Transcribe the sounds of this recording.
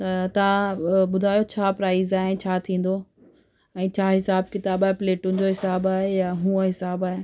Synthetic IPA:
t̪ɐt̪ɐʋ̤ãɓʊd̪ʱaːjot͡ɕʰaːpɾaːɪzaːɦɪ̃t͡ɕʰaːt̪ʰĩːn̆d̪o | ɛ̃ːt͡ɕʰaːɦɪsaːb̚kɪt̪aːbaːɦepleːʈʊ̃n̆d͡ʑoːɦɪsaːbaːɦejaɦũːəɦɪsaːbaːɦe

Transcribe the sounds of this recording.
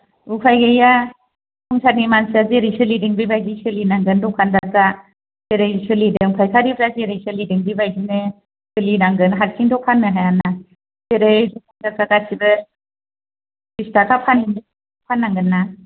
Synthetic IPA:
upʰajɡɯja | kʰɔŋsaɾnimansazeɾɯjsɯlidiŋbibajzisɯlinaŋɡɯndɔkʰandak̚za | z̥eɾɯjsɯlidɯŋpʰajkʰaɾibʰɾazeɾɯjsɯlidɯŋbibajzinɯ | sɯlinaŋɡɯnɦaɾkʰiŋdɔkpʰanːɯɦajana | z̥eɾɯjdɔkʰandak̚kaɡasibɯ | bistakʰapʰanindisidɔpʰanːaŋɡɯnːa

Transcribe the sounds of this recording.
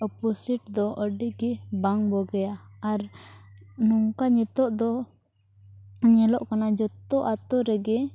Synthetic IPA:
ɔpɔsiʈd̪ɔʔəɖiʔɡɛbaŋbɔɡɛjaːɾ | nuŋkaɲɛt̪ɔʔd̪ɔ | ɲɛlɔʔkanad͡ʒɔt̪ɔʔat̪ɔɾɛɡɛ

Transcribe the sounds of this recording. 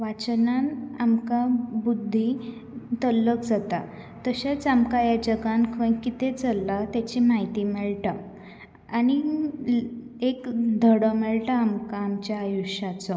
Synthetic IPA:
ʋat͡ɕənanamkabud̪ʱːi | t̪əlːəkd͡zat̪a̰ | t̪əɕet͡samkajad͡ʑəɡankʰəj̃kit̪ẽt͡səlːat̪jat͡ɕimaɦit̪imɛɭʈa | ani | ekd̪ʱəɽəmɛɭʈaːmkaːmt͡ɕjaːjuɕat͡sɔ

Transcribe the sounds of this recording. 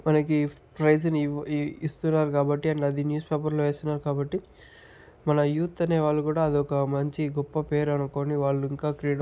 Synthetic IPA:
mɐnɐki | pɾɐjd͡ʒɐnist̪unːaːɾukaːbɐʈːiɐɳʈɐd̪injuːspeːpɐɾloʋeːst̪unːaːɾukaːbɐʈːi | mɐnɐjuːt̪ːɐne̞ːʋaːɭːukuːɽaːɐd̪iɔkɐmɐɲt͡ʃiɡɔpːɐpe̞ːɾɐnuko̞ːniʋaːɭːuiŋkaːkɾiːɽ

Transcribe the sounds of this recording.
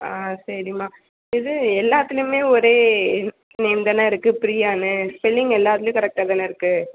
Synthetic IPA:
aːsɐɾɪmaː | ɪðɯɛlːaːt̪ːɪlʊ̃meːɔɾeː | nɛːnd̪ɐnaːɪɾɯkːɯpɾijaːnɯspɪlːɪŋɡɛlːaːt̪ɪljʊ̃kɐɾɛk̚ʈaːðɐnɐɪɾɯkːɯ

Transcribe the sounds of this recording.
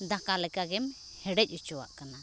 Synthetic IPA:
d̪akalɛkaɡɛm | hɛɖɛc̚ˀut͡ʃɔwa̰ʔkana

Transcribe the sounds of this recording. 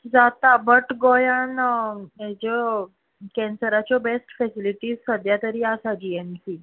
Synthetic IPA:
d͡zat̪abəʈɡɔjaned͡ʑɔ | kɛ̃nsəɾat͡ɕjɔbesʈfɛsiliʈiːzsəd̪ʱjat̪əɾiːasad͡ʑiemsiː

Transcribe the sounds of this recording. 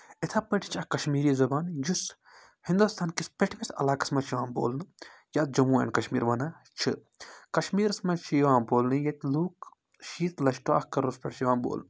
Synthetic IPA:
ɪt̪ʰapɐʈʰi̥t͡ʃʰɐkɐʃmiːɾiːzɐbaːnjus | hind̪ust̪ʰaːnkispʲeʈʰʋisɐ̰laːkɐ̥smɐt͡ʃʰiʋaːmbo̰ːlnɨ | jaːt̪̚d͡ʒɐmuːḛːnkɐʃmḭːɾʋɐna | t͡ʃʰɨ | kɐʃmiːɾsmɐt͡ʃʰijʋãːmboːlnɨjɐt̪ʲluːk | ʃiːt̪lɐʃʈoa̰hkɐɾospʲeʈʰʃiʋaːnbo̰ːlnɨ

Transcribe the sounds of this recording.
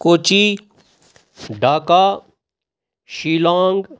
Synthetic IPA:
koːt͡ʃi | ɖʱaːkaː | ʃiːlãːŋɡ

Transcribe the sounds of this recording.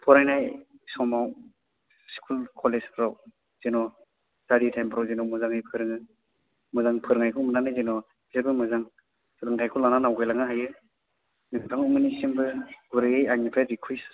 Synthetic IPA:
pʰɔɾajnajsɔmaw | si̥kʰulkʰɔlespʰɾaw | z̥enɔ | saɾitʰajmpʰɾɔwzenɔmɯzaŋɯjpʰɯɾɯŋɯ | mɯzaŋpʰɯɾɯŋajkʰɔmɯnanɯzenɔ | zeɾbɯmɯzaŋ | sɯdɯŋtʰajkʰɔlananawkʰajlaŋɯɦajɯ | nɯŋpʰaŋumɯnisimbɯɡuɾɯɯjaŋipʰaɾikʰujs

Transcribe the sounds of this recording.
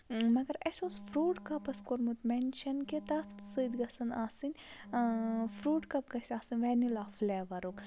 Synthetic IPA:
mɐɡɐɾɐsʲoːsfʰɾuːʈkɐpɐskoɾmut̪menʃɐnket̪ɐsɨd̪ɡɐsɐnaːsɨnʲ | fɾuːʈkɐpkɐsʲaːsɨnʲʋeːnilaːfleːʋɐɾuk

